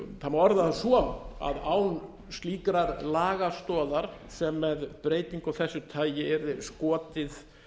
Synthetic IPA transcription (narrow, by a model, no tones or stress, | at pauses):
θanmːaɔɾðaasɔna̰ðaːwn | st̪liːkɾaɾlaːɣast̪ɔːðaɾ̥sɛmːɛðpɾeːjt̪iŋkawθɛsːʏt̪ʰaːjɪɛɾðɪskɔːt̪ɪθ